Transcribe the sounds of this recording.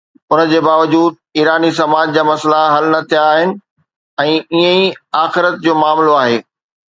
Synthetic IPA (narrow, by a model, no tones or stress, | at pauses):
ʊnə̆d͡ʑeːbaːʋəd͡ʑuːd̪̚iːɾaːnis̬ɐmaːd͡ʑd͡ʑaːmɐslaɦɐlnɐt̪ʰijaːɦɪnɪ̆ | ɛ̃ːiə̃iaːxɪɾət̪̚d͡ʑoːmaːmloaːɦeː